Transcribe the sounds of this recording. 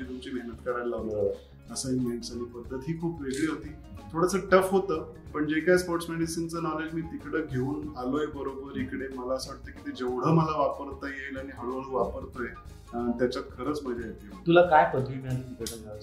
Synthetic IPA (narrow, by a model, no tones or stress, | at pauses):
it̪umt͡ɕiːməɦnət̪kəɾanlaʋlə | əsəinmeɳʈsañipəd̪ʱːət̪ɦiːkʰuːpʋeɡɭiːɦot̪iː | t̪ʰoɽəsəʈəfɦot̪əː | pəɳd͡ʑekajspɔɾʈsmeɽisint͡sənɔled͡ʑmiːt̪ikɽəːɡʱeuːnaloebəɾobəɾikɽeməlaəsəʋaʈ̚t̪əkit̪ed͡ʑeʋɽ̤əːməlaʋapəɾt̪əjejləaɽ̃iɦəɭoɽ̤əʋapəɾt̪əe | t̪jat͡ɕat̪̚kʰəɾəːt͡sm̤əejet̪it̪ulakajpəd̪ʱʋimat̪ikəɽənla